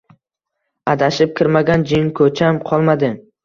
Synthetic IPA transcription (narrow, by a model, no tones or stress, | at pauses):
ad̪aʃɪp̚kʲɪɾmaɡʲand͡ʒɪŋkʰɵt͡ʃʰamqʰɒlˠmad̪ɪm